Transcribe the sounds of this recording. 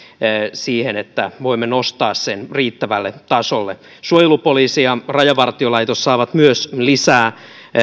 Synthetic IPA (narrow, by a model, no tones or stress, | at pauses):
siːhenet̪ːæʋoimːenost̪ɑːssenriːt̪ːæʋælːet̪ɑsolːe | suojelupoliːsiɑrɑjɑʋɑrt̪iolɑit̪osːɑːʋɑt̪myøslisæː